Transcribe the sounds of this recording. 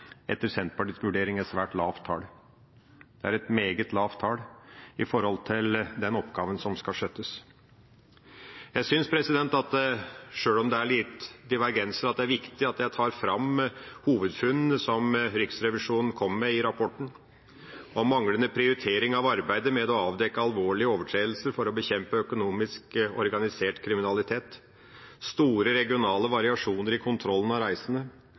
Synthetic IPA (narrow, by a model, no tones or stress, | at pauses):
ɛt̪əɾsɛnt̪pɑʈiːsʋʉɖeːɾɪŋæsʋæːʈlɑːʋt̪ʰːɑ̰ːɽ | d̪̥ɛæɾɛt̪meːɡət̪lɑːʋt̪ʰɑːɽɪfɔɾhɔlt̪ʰɪld̪ɛnɔpɡɑːʋənsɔmskɑʂøt̪ːəs | jæɪsʏnspʰɾɛsɪd̪ɛnt̪ɑt̪ʂøːlɔmd̪ɛæɭiːt̪d̪ɪʋæɾɡɛnsəɾɑt̪̚d̪ɛæɾʋɪkt̪ɪɑt̪jæɪt̪ʰɑːɾfɾɑmhuːʋəd̪fʉnsɔmɾʏksɾɛʋɪʂuːnn̩kʰɔmːmɛɪɾɑpʰɔʈɳ̩ | ɔmɑŋlənəpʰɾɪʊɾɪt̪ʰeːɾɪŋɑʋɑɾbæɪd̪əmɛd̪ɔɑːʋd̪ɛkəɑlʋoːɭɪəoːʋəʈʰɾeːd̪l̩səɾfɔɾɔbəçɛmpəœkʊnuːmɪskɔɾɡɑnɪseːʈkʰɾɪmɪnɑlɪt̪ʰeːt̪ | st̪uːɾəɾɛɡɪʊnɑːləʋɑɾɪɑʂuːnəɾɪkʰʊnt̪ʰɾɔlːən̩ɑɾæɪsənə